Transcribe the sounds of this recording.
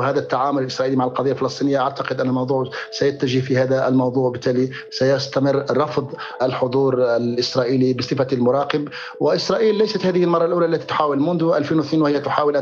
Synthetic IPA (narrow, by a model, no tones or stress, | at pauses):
hæːd̪æt̪ːaʕaːmʊlɪlʔɪsɾˤɑːʔiːlimaʕalqɑd̪ɑjːalfɪlɑsˤt̪iːnɪjːaʔaʕt̪ɑqɪd̪ʔænːælmɑwd̪ˤuːʕsajæt̪ːaʒɪhfihæːd̪aʔlmɑwd̪ˤuːʕwbɪt̪ːæːli | sæjʊst̪amɪrːˤɑfd̪ˤʔəlħʊd̪ˤuːɾalʔɪsɾˤɑːʔiːlibəsˤɨfalmʊɾˤɑːqɪb | wɪʔɪsɾˤɑːʔiːlːæjsat̪hæːðɪhɪlmɑrˤːɑlʔuːlæʔlːæt̪i̥t̪ʊ̥ħaːwɪlmʊnd̪ʊʔælfiːnwθniːnwhɪjæt̪ʊħaːwɪlʔ